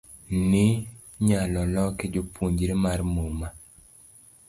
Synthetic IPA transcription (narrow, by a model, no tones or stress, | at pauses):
ni | ɲalɔlɔked͡ʒopʰuɲd͡ʒɾemaɾmoma